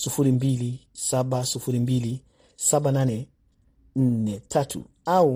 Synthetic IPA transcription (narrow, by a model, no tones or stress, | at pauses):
sufuɾimbilisaɓasufuɾimbili | saɓananɛ | n̩nɛtʰatʰṵ | au